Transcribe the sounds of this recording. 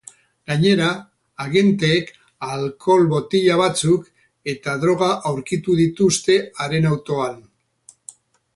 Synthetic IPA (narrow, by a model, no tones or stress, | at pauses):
ɡaɲe̞ɾaː | ɣe̞nt̪eːk | alkʰo̞lβo̞t̪iʎaβ̞at͡suk | e̞t̪aðɾo̞ɣ̞aʔawɾkit̪uð̞it̪ust̪e̞aɾe̞nawt̪o̞an